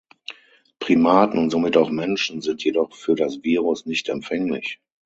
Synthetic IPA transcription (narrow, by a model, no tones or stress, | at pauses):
pʁ̥imaːtn̩ʊntz̥omɪtaʊxmɛnʃn̩zɪntʰjedɔχfyːɐdasv̥iːʁʊsnɪçtɛmpfɛŋlɪ̰ç